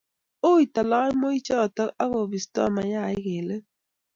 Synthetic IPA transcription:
o˦i˨ta˨la˦mo˦i˦t͡ʃɔ˦ɔ˨ta˦ka˦ɣo˨bi˨stɔ̰˦˨ma˨ja˦˨ɪ˦ɣe˨le˦

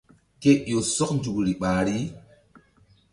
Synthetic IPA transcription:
ke˦jo˨sɔ˦knd͡ʒu˨kɾi˨ɓaː˨ɾi˦

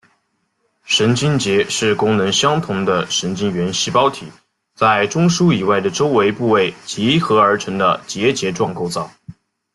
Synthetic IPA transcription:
ʂə˧˥nt͡ɕi˥nt͡ɕjɛ˧˥ʂɻ̩˥˩kʊ˥ŋnə˧˥ŋɕjɑ˥ŋt̪ʰʊ˧˥ŋd̪ə˧ʂə˧˥nt͡ɕi˥nɥɛ˧˥nɕi˥pɑ˥ʊt̪ʰi˨˩˦ | t͡sa˥˩ɪʈ͡ʂʊ˥ŋʂu˥i˨˩wa˥˩ɪd̪ə˩ʈ͡ʂo˥ʊwe˧˥ɪpu˥˧we˥˩ɪt͡ɕi˧˥xɤ˧˥ə˞˧˥ʈ͡ʂʰɤ˧˥ŋd̪ə̰˧t͡ɕjɛ˧˥t͡ɕjɛ˧˥ʈ͡ʂwɑ˥˧ŋko˥˧ʊt͡sɑ˥˩ʊ

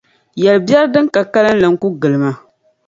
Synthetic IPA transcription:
jɛ˨lɨ˨bi˦ɛ˦ɾdɨ˦ŋka˨ka˦lɨ˦n˦lɨ˨ŋ̩˦ku˦ɡɨ˨lɨ˨ma˦

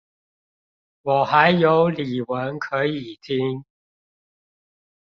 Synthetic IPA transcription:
wɔ˨˩xa˨˦ɪjo˨˦ʊli˨˩wə˨˦nkʰɤ˨˧˥i˨˩t̪ʰi˦˥ŋ

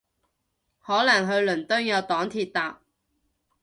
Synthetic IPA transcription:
hɔː˨˥lɐ˨˩ŋɦɵ˧ɥlɵ˨˩nt̪œː˥ŋjɐ˨˧wt̪ɔː˨˥ŋt̪ʰiː˨˧t̚t̪aː˨p̚

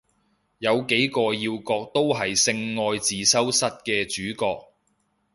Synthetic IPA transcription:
jɐ˨˧wke˨˥jkɔː˧jiː˧wkɔː˧k̚t̪o˥wɦɐ˨jsɪ˧ŋːɔː˧jt͡siː˨sɐ˥wsɐ˥t̚kɛː˧t͡ʃyː˨˥kɔː˧k̚

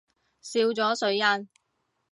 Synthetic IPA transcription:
siː˧wt͡sɔː˨˥sɵ˨˥ɥjɐ˥n

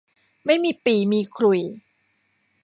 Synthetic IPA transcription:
ma˥˩jmiː˧piː˨˩miː˧kʰɾu˨˩j

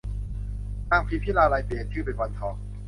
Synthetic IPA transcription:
naː˧˩mpʰi˦˥pʰiː˥˩laː˧laː˧jpi˨˩ənt̪ʰɯː˥˩pa˧nwa˧nt̪ʰɔː˧˩ŋ̚

